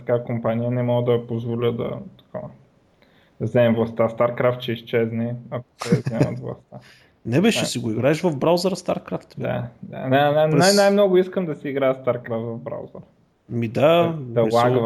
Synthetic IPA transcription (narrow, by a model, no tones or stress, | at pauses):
t̪ɐkakompanijənɛmɔɡd̪ɐpozvolʲəd̪ɐ̰t̪ɐ̥kav | d̪zɛmvlˠɐst̪ast̪aɾkɾaft̪̚t͡ʃɛiʃt͡ʃɛznɛɐko̥t̪ɔjzɛmo̰t̪vlˠɐ̰st̪a | nɛbɛʃɛsiɡoiɡɾaɛʃvɐvbɾawzəɾst̪aɾkɾaft̪b̪a̰d̪a̰nananpɾɛjnajmnɔɡʊiskəmd̪ɐsiiɡɾaɛst̪aɾkɾaft̪vɐvbɾa̰wzəɾ | mid̪ad̪ɐɛlˠaɡv